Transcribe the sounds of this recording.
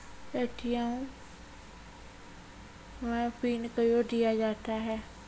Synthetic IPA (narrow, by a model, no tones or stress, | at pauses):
eʈʰɪjãũ | mɛ̃ːpiːnkəjoːd̪ɪjaːd͡ʒaːt̪aːɦɛː